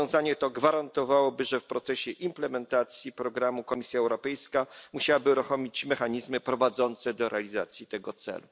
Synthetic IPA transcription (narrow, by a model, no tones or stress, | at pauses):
ɔ̃w̃zaɲɛt̪ɔɡvaɾant̪ɔvawɔbɘʐɛfpɾɔt̪sɛɕɛʔimplɛmɛnt̪at̪sʲjipɾɔɡɾamukɔmʲisʲjaɛwɾɔpɛjskamuɕawabɘuɾuxɔmʲit͡ɕmɛxaɲizmɘpɾɔvad̪zɔnt̪sɛd̪ɔɾʔɛalʲiza̰t̪sʲjit̪ɛɡɔt̪sɛ̰lu